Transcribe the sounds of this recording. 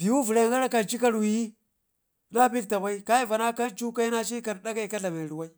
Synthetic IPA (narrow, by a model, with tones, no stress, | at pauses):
b̥i˨wu˦vu˨ɾa˨ŋɡa˦ɾa˦ka˨nt͡ʃi˦ka˦ɾwi˨ji˦˨ | na˦bi˦k̚ta˨ba˦i˦ka˦i˦va˨na˦ka˦nt͡ʃu˦ka˦i˦na˦t͡ʃi˦ka˨ɾɗa˦ɡa˦i˨ka˦ɮa˨me˨ɾi˨wa˦i˦